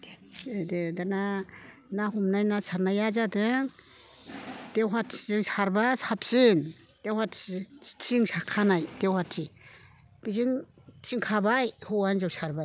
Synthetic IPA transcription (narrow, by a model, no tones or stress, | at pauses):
dedana | nahumnajnasaɾnajazadeŋ | d̥ewɦatziŋsaɾbasap̚sin | d̥ewɦattʰiŋsakʰːanajd̥ewhatʰi | b̥iziŋ | siŋkʰabajhuwanzawsaɾbaj